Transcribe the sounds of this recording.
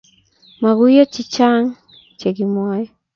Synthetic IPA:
ma˨ɡu˦jɔ˦t͡ʃi˨t͡ʃaŋ | t͡ʃe˨ɡimwɔjɔ

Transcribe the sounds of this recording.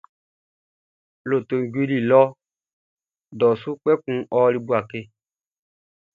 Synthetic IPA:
lo˨to˨ŋ̩˨ɡi˦li˨lɔ˦ | dɔ˨su˦k͡pɛ˦kũ˦ɔ˦li˦bu˦a˨ke˦

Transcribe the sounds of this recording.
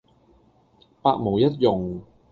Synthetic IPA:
paː˧k̚mo˨˩wjɐ˦˥t̬̚jʊ˨ŋ

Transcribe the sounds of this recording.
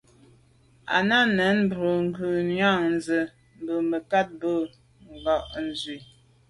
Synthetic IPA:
a̰˨na˦nɛ˨˦nm̩˦bə˨ŋ̩˨ɡʉ˨ɲa˦˨ŋn˨zə˨ | m̩˨bə˨mə˨ka˦t̚bə˦˨ | ŋ˨ɡɔ˨ʔn̩˨zɥi˨

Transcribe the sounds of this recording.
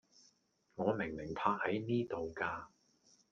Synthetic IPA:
ŋɔː˨˧mɪ˨˩ŋmɪ˨˩ŋpʰaː˧t̚hɐ˨˥jniː˥t̪o˨wkaː˧

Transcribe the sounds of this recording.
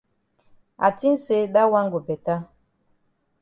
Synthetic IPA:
a˨ti˦n̩˦se˦ɗa˦wa˦ŋ˦ɡo˨bɛ˨ta˦

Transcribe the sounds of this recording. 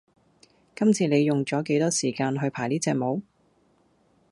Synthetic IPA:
kɐ˥mt͡sʰiː˧ne˨˧jːʊ˨ŋt͡ʃɔː˨˥ke˨˥jt̪ɔː˥siː˨˩kaː˧nɦɵ˧ɥpʰaː˨˩jniː˥t͡sɛː˧k̚mo˨˧˥w

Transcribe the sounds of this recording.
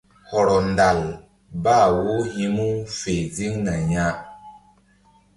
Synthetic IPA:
hɔ˨ɾɔ˨n˨da˨l | ba˦˨wu˦hi˦mu˦fe˨d͡zi˦ŋna˨ɲa˦

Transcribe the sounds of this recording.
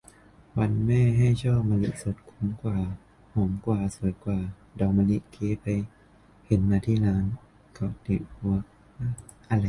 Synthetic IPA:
wa˧nmɛː˥˩˨ɦa˥˩jt͡ɕʰɔː˥˩p̚ma˧li˦˥t̪̚so˨˦t̪̚kʰu˧˦mkwaː˨˩ | ho˨˩˦mkwaː˨˩su˨˩˦jkwaː˨˩ | dɔː˨˩ma˧li˦˥t̪kʰeː˧˦˥pa˧j | he˨˦nmaː˧t̪ʰiː˥˩laː˦˥n | kʰɔ˧˩t̪i˨˩bu˧˩ək̚ | a˧˥ʔa˧la˧

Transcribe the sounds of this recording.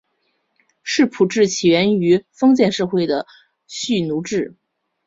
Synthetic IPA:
ʂɻ̩˥˩pʰu˨˩ʈ͡ʂɻ̩˥˩t͡ɕʰi˨˩ɥɛ˧˥ny˧˥fɤ˥ŋt͡ɕjɛ˥˧nʂɤ˥˧xwe˥˩ɪd̪ə˩ | ɕy˥˩nu˧˥ʈ͡ʂɻ̩˥˩

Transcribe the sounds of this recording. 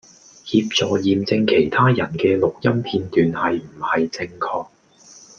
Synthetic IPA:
hiː˧p̚t͡sɔː˨jiː˨mt͡sɪ˧ŋkʰe˨˩jt̪ʰaː˥jɐ˨˩nkɛː˧lʊ˨k̚jɐ˥mpʰiː˧nt̪yː˨nhɐ˨jm̩˨˩hɐ˨jt͡sɪ˧ŋkʰɔː˧k̚

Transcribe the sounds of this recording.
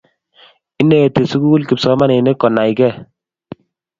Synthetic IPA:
ɪ˦ne˨e˨te˨su˦ku˦ku˦lki˨psɔ˦ma˦ne˨ne˦kɔ˨na˨i˨kɛ˦˨

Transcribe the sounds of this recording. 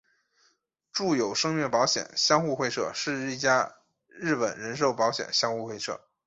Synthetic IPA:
ʈ͡ʂu˥˩jo˨˩ʊʂɤ˥ŋɥɛ˥˩pɑ˧˥ʊɕjɛ̰˨˩nɕjɑ˥ŋxu˥˧xwe˥˧ɪʂɤ̰˥˧ʂɻ̩˥˧˥t͡ɕja˥ | ɻɻ̩˥˩pə˨˩nɻə˧˥nʂ̬o˥˩ʊpɑ˧˥ʊɕjɛ̰˨˩nɕjɑ˥ŋxu˥˧xwe˥˧ɪʂʰɤ̰˥˩

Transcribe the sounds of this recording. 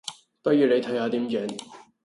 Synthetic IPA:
t̪ɐ˥jyː˨˧ne˨˧jt̪ʰɐ˨˥haː˨˧t̪iː˨˥mt͡ʃɛː˨˥n

